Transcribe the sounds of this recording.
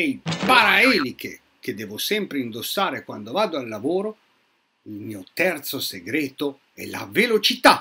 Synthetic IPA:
ɛjpaɾaɛːlik̟ḛ | k̟ed̪ːɛːvosɛmpɾeind̪osːaːɾekwand̪ovaːd̪oalːavoːɾo | ilmiːot̪ɛrt̪soseɡɾɛːt̪o | ɛ̰la̰velot͡ʃit̪a

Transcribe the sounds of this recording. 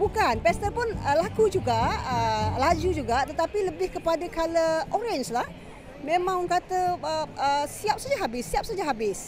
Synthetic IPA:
bukanpɛst̪əpʊnəlakud͡ʒuɡaəlad͡ʒud͡ʒuɡat̪ət̪apiləbɪhkəpadakaləʔoɾɛnslah | mẽmãŋɔnkat̪əəəsiap̚sad͡ʒaɦabɪsːiap̚sad͡ʒaɦabɪs

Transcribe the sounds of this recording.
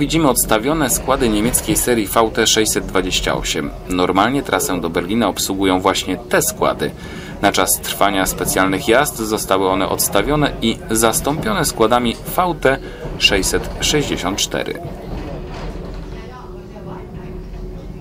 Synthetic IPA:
vʲid͡ʑimɘɔt̪st̪avʲjɔn̪ɛskwad̪ɘɲemʲet̪skʲejsɛɾjifawt̪ɛʂɛjsɛd̪̚ːvad͡ʑeɕt͡ɕa̰ɔ̰ɕɛm | nɔɾmalɲɛt̪ɾʔasɛ̃d̪ɔbɛɾlʲinaɔpswuɡujɔ̃w̃vwaɕɲɛt̪ɛskwa̰d̪ɘ̰ | nat͡ʂast̪ɾfaɲaspɛt̪sʲjalnɘxjazd̪zɔst̪awɘɔnɛʔɔ̰t̪st̪avʲjɔnɛizast̪ɔmpʲjɔnɛskwad̪amʲifawt̪ɛ | ʂɛjsɛt̪ʂɛʑd͡ʑeɕɔnt̪̚t͡ʂt̪ɛ̰ɾɘ̰

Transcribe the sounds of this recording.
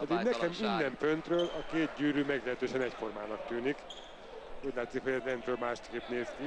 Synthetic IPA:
ɒd̪iɡnɛkɛmind̪ɛɱfønt̪røːlɒkeːt̪̚ɟyːɾyːmɛɡlɛɦɛt̪øːʃɛnɛcfo̞rmaːnɒk̚t̪yːnik | uːɟʲlaːt̪ːsikho̞ɟɛlɛnt̪røːlmaːʃt̪keːpneːski

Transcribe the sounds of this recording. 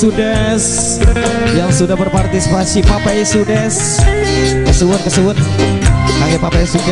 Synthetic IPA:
udɛs | jaŋsudahbərpart̪isipasipapajsudɛs | kəsəbʊt̪̚kəsəbʊt̪̚ | kaŋɛpapajsudɛ

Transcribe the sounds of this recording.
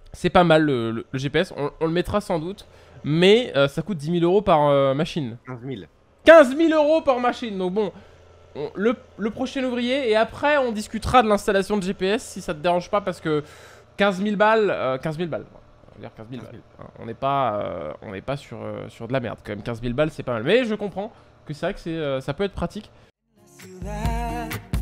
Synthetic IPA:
sɛpamalːələləʒepeɛsɔ̰̃ɔ̃ləmɛt̪χasɑ̃d̪ut̪ | mɛøsakut̪̚d̪imiløʁopaʁømaʃinil | kʲɛ̃zmiløʁopaʁmaʃind̪ɔ̃k̚bɔ̃ | ɔ̃lələpχɔʃɛnuvʁijeːapχɛɔ̃d̪iskʲyt̪χad̪əlɛ̃st̪alasjɔ̃d̪əʒepeɛsːisat̪əd̪eʁɑ̃ʒpapaʁsə̥kə | kʲɛ̃zmilbaløkʲɛ̃zmilba̰lɛ̰̃ | a̰jḭʁkʲɛ̃zmilba̰lɛ̰̃ɔ̰̃nɛpaø̰ɔ̰̃nɛ̰pasyʁø̰syʁd̪əlamɛ̰ʁd̪kɑmɛmkʲɛ̃zmilbalsɛpamalmɛʒəkɔ̃pχɑ̃ | kəsɛvʁɛkə̥sɛøsapøɛt̪χpχat̪ik

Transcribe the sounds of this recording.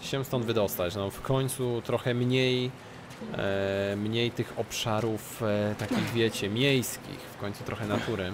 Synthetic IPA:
ɕɛst̪ɔnd̪vɘd̪ɔst̪at͡ɕnɔfkʰɔɲt̪sut̪ɾɔxɛmɲej | mɲejt̪ɘxɔpʂaɾuft̪akʲiɣvʲjɛt͡ɕɛmʲjejskʲḭxfkɔɲt̪sut̪ɾʔɔxɛnat̪uɾɘ

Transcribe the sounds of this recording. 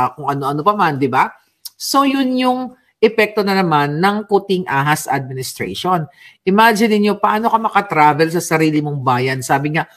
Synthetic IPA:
kʊŋʔɐno̞ʔɐno̞pɐmand̪ɪba | so̞jʊnjʊŋ | ʔɛpɛk̚t̪o̞nɐnɐmanːɐŋkut̪ɪŋʔaːɦɐsʔɐd̪̚mɪnɪst̪ɾɛ̰ʃo̞n | ʔɪmad͡ʒɪnɪnɲo̞pɐʔaːno̞kɐmɐkɐt̪ɾaːvɛlsɐsɐɾiːlɪmoŋbaːjɐnsaːbɪŋa

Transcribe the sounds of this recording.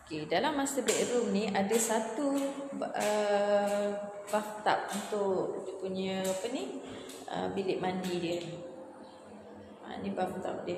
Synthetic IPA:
okedalamːasəbɛʔɾumniadasat̪u | ə | baft̪a̰p̚unt̪ʊʔʔdipuɲə̃apəniə̰bilɪʔmandidjə | ma̰a̰nibamt̪a̰p̚də

